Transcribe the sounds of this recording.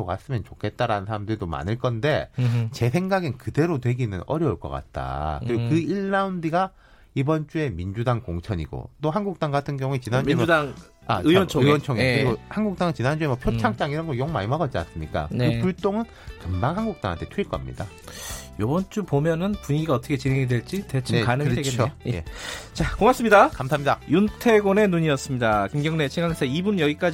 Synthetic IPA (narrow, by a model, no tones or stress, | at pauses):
okas͈ɯmjʌnt͡ɕokʰe̞t̚t͈aɾanɯnsʰaɾamdɯɾidoma̰nɯɭk͈ʌnde̞t͡ɕe̞sʰeŋɡaɡɯnkɯde̞ɾotwe̞ɡinɯnʌɾjʌuɭk͈ʌ̰k͈a̰t̚t͈a̰kɯɾiɡokɯiɭːaundiɡa | ibʌnt͡ɕ͈ue̞mind͡ʑudaŋkoŋt͡ɕʰʌɲiɡo̰t͈oɦanɡuk̚t͈aŋɡatʰɯnɡjʌŋuet͡ɕinaniuemdaŋ | aɯwʌnt͡ɕʰɯwʌnt͡ɕʰʌŋekɯɾiɡohanɡuk̚t͈aŋɯnt͡ɕinɦand͡ʑuemʌpʰjot͡ɕʰaŋt͡ɕ͈aŋiɾʌnɡʌjoŋma̰imaɡʌt͡ɕ͈ana̰s͈ɯmɲik͈a̰nkɯpuɭt͈oŋɯn | kɯmbaŋɦanɡuk̚t͈a̰ŋɦa̰ntʰetʰuiɭk͈ʌa̰mɲḭda̰ | jʌbʌnt͡ɕ͈upomjʌnɯnpuɲiɡiɡaʌt͈ʰʌkʰet͡ɕinɦeŋedwe̞ɭt͡ɕ͈itet͡ɕʰeanɯɾɯeɡt͡ɕʰojḛt͡ɕakoŋaps͈ɯmɲidakamsʰamɲidajuntʰe̞ɡone̞nuɲiʌs͈ɯmɲidakimɡjʌŋne̞t͡ɕʰiŋɡaŋsʰeibunjʌɡik͈ad͡ʑ